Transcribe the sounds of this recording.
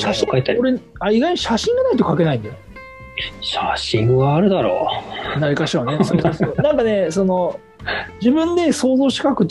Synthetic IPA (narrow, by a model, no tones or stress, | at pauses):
akait̪ːaoɾe̞ | aiɡaiɲ̟iɕaɕĩŋɡanait̪o̞kake̞naĩnd̪ejo | ɕaɕĩŋɡaːɾɯ̟d̪aɾo̰ːnaɾʲikaɕione̞soːsoːsoːnãŋkane̞so̞no̞ | d͡ʑibɯ̟̃nd̪e̞so̞ːzo̞ːɕi̥kakɯ̟t̪